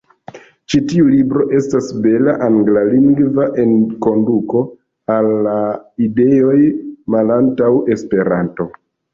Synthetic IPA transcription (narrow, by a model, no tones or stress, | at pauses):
t͡ʃitiulibɾo̞ʔe̞stasbe̞laʔaŋɡlaliŋɡvaʔe̞nko̞nduko̞ | alːaide̞o̞jmalantawe̞spe̞ɾa̰nto̞